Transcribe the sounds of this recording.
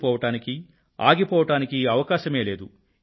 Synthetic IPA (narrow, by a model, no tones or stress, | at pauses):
pɔːʋɐʈaːniki | aːɡipɔːʋɐʈaːnikiɐʋɐkaːʃɐme̞ːle̞ːd̪u